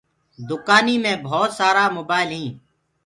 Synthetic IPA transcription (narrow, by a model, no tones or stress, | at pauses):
d̪ʊkaːniːmẽːbʱɔːt̪saːɾaːmoːbaːɪlɦĩː